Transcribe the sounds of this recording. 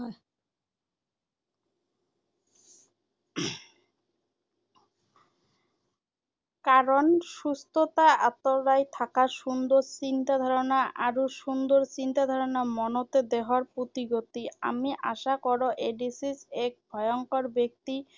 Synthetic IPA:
kaɾonʃust̪ʰot̪aat̪oɾajt̪ʰakaʃund̪oɾt͡ɕint̪ad̪ʱɔɾonaʔaɾoʃund̪oɾt͡ɕint̪ad̪ʱɔɾonamɔnot̪ed̪eɦoaɾpɾut̪iɡot̪ia̰miʔaʃakɔɾoʔeɖisisek̚bʱɔjoŋkoɾbek̚t̪i

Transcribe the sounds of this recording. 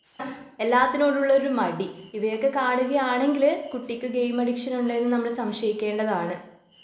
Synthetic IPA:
e̞lːaːt̪ːino̞ːɽuɭːɐo̞ɾumɐɽiiʋɐjo̞kːe̞kaːɳuɣɐjaːɳe̞ŋɡilkuʈːikʲːuɡejmɐɽikʂɐnuɳɖeenːɨnɐmːɐɭesɐmʂɐjikʲːe̞ːɳɖɐðaːɳɨ

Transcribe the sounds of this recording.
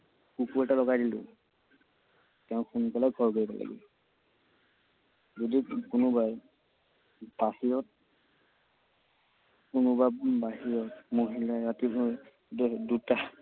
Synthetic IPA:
kukuɛtalɔɡajdilʊ̰̃ | tɛʊ̃xunkɔlaɡʱɔɹkoɹibala̰ɡḭ | zodikʊnʊbaj | b̥ahijɔt̚ | kunʊbabbaɦiɹɔtmoɦilaɹatiɦu | duta

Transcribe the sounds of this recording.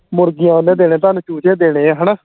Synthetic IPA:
mʊɾɡɪjãːʊnːẽːd̪eːɽẽːt̪̬aːnũːt͡ʃuːt͡ʃẽːd̪eːɽ̃eːaːɦənaː

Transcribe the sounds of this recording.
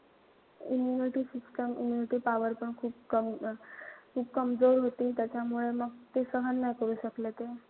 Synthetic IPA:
imjuniʈiːsisʈəmḭmjuniʈiːpaʋəɾpəɳkʰuːp̚kəm | kʰuːp̚kəmd͡zoɾɦot̪iːt̪jat͡ɕjamuɭeməɡ̚t̪esəɦənːajkəɾuːɕəklet̪e

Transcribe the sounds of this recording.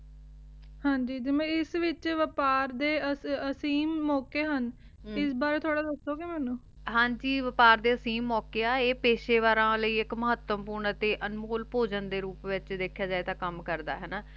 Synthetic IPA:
hãːɲd͡ʒiːd͡ʒɪmẽːɪsʋɪt͡ʃʋəpaːɾd̪eːəsəsiːmːɔːkeːɦən | ɪsbaːɾeːt̪ʰoːɽaːd̪əsoːɡeːmɛːnũː | ɦãːɲd͡ʒiːʋəpaːɾd̪eːəsiːmːɔːkeːaːeːpeːʃeːʋaːɾãːləiːɪkməɦət̪ːəmpuːɾɳət̪eːʔənmoːlpoːd͡ʒənd̪eːɾuːpʋɪt͡ʃd̪eːkʰːjaːd͡ʒaːeːt̪aːkəmkəɾd̪a̰ːɦɛːnaː

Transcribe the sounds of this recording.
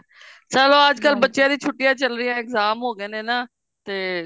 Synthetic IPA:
sɛloːəd͡ʒkəlbətːʃjãːd̪iːt͡ʃʰʊʈːɪjãːt͡ʃəlɾɪjãːɪkzaːmɦoːɡeːnẽːnaː | t̪eː

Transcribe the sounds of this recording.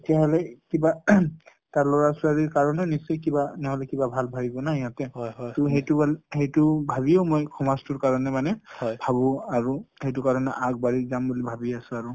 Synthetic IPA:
etiaɦɔlɛkiba | taɹlɔɹasʊaɹiɹkaɹɔnɛnisɔjkibanɛɦɔlɛkibabʱalbʱabibɔnaijatɛtʊɦejtʊalhejtʊbʱaβioʊmojkʰɔmastuɹkaɹɔnɛmanɛbʱabʊ̃aɹuhejtʊkaɹɔnɛʔaɡ̚baɹizambulibʱabiasʊ̃aɹu

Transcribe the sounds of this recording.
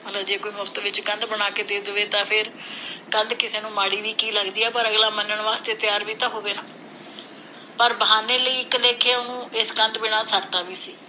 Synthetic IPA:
məlaːd͡ʒeːkoːiːmʊkt̪ʋɪt͡ʃɡə̃nd̪bəɳ̃aːkeːd̪eːd̪əʋeːt̪ãːpʰɪɾɡə̃nd̪kɪseːnũːmaːɽiːʋiːkiːləɡd̪iːɛːpəɾəɡlaːmənəɳʋaːst̪eːt̪ɪjaːɾʋiːt̪ãːɦoːʋeːnãː | pəɾbəɦaːneːləiːɪkleːkʰeːʊnũːɪsɡə̃nd̪bɪɳ̃aːsəɾt̪aːʋiːsiː

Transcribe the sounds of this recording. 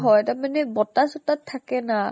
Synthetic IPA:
ɦɔjtamanɛbɔtasɔtatʰːakɛna

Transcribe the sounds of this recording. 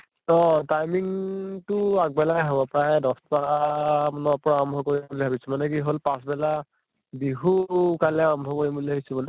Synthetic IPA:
ɔ̃tajmiŋtʊak̚bɛlaɦabɔpɹajdɔspamɔnɔpɹaɹɔmbʱɔkoɹibuliɦabisɔmanɛkiɦolpãsbɛla | biɦukalɛaɹɔmbʱɔkoɹibuliɦabisɛbɔnɛ

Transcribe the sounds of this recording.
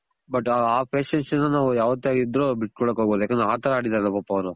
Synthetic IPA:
bɐʈaːpʰeːʃɐnsɐnːɐnaːʋujaːʋɐt̪ːjaːɡid̪ɾobiʈ̚kɔɭoːkɦoːɡboːd̪ujaːkend̪ɾaːt̪ɐɾɐaːɽid̪aːɾɐlːɐpɐpːɐʋɐɾu

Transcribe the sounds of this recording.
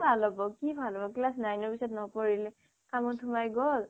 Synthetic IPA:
bʱalɔbɔkibʱalɔbɔklasnajnɔɹpisɔtnɔpɔɹilɛ | kamɔntʰumajɡɔl

